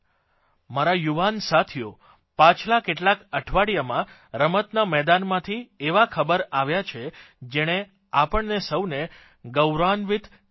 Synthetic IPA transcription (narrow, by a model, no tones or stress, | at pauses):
maɾajuʋansat̪ʰijo | pãt͡ʃʰlakeʈlakəʈʰʋaɽijamã | ɾəmət̪namɛd̪anmãt̪ʰieʋakʰəbəɾaʋjat͡ʃʰe | d͡ʒeɽ̃e | apəɳnesəwne | ɡəwɾanʋit̪